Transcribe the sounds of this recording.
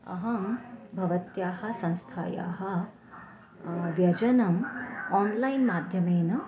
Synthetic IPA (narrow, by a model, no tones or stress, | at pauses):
ɐ̰ɦɐ̃bʱɐʋɐt̪jaːɦɐ̆sɐ̃ŋst̪ʰa̰ːja̰ːɦɐ̆ | ʋjɐd͡ʒɐnɐmaːnlɐjnmaːd̪ʱjɐmeːnɐ